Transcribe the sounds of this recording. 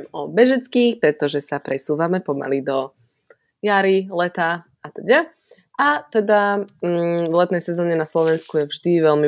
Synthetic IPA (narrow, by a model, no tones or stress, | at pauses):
mɔbɛʒɛt͡skiːxpɾɛt̪ɔʒɛsapɾɛsuːʋamɛpɔma̰lid̪ɔ | jaɾilɛt̪a | at̪ɛɟɛ | at̪ɛd̪a | vlɛt̪nɛjsɛzɔːɲɛnaslɔʋɛnskujɛvʒd̪iʋɛlmi